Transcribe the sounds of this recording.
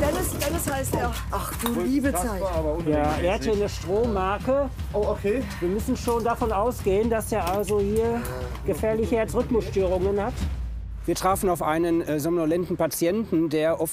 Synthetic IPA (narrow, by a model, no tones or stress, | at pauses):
d̥ɛnəsd̥ɛnəshaɪste | ʔaχd̥uːiːbəaɪaːbɐʊnjaːʔɛːɐhathiɐnəʃtʁ̥oːmaɐkə | ʔoːokʰeːviːɐmʏsn̩ʃoːndafɔnaʊsɡ̥eːəndasdeːɐʔalzohiːɐ | ɡ̥əfɛɐlɪçəɛt͡sʁʏtmʊsʃtøːʁ̞ʊŋənhat | viːɐtʁ̥aːfn̩aʊfʔaɪnənzɔmnolɛntn̩pat͡sjɛntn̩deːɐʔɔf